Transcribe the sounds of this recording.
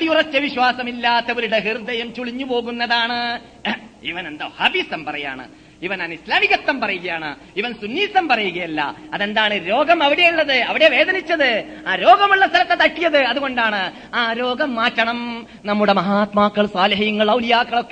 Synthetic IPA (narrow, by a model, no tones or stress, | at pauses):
ɐɽijurɐt͡ɕːjɐʋiɕwaːsɐmilːat̪ːɐʋɐɾuɽeɦird̪ɐjɐmt͡ɕuɭiɲːupo̞ːɣunːɐðaːɳɨ | ḭʋɐnend̪ɐ̰hɐbisɐmpɐrɐja̰ːɳɨ̰ | iʋɐnanislaːmiɣɐt̪ːɐmpɐrɐjuɣɐjaːɳɨ̰ | iʋɐnsunːiːsɐmpɐrɐjuɣɐjɐlːɐ̰ɐðend̪aːɳɨɾo̞ːɡɐmɐʋiɽejuɭːɐðɨɐʋiɽe̞ʋe̞ːd̪ɐnit͡ɕːɐðɨ | aːɾo̞ːɡɐmuɭːɐst̪ʰɐlɐt̪ːet̪ɐʈːijɐðɨɐðuɣo̞ɳɖaːɳɨ | aːɾo̞ːɡɐmːaːtːɐɳɐm | nɐmːuɽe̞mɐɦaːt̪maːkːɐɭsaːlɐɦɐjɐŋːɐɭːɐulijaːkːɐɭo̞kːe